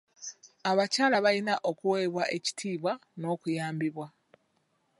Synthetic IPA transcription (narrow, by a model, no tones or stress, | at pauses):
aβacaːlaβalinaʔo̞kuweːβwaʔe̞ci̥tʰiːβwano̞ːkujaːmbiβwa